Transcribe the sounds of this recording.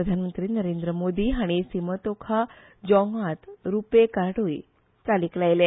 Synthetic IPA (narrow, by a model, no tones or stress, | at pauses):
əd̪ʱanmənt̪ɾiːnəɾend̪ɾəmod̪iːɦaɽ̃isimət̪okʰa | d͡ʑɔŋat̪ɾupekaɽoj | t͡saliklajle